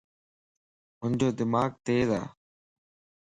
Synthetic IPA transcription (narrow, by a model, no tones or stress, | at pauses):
ɦʊnd͡ʑoːd̪ɪmaːɡ̚t̪eːza̰ː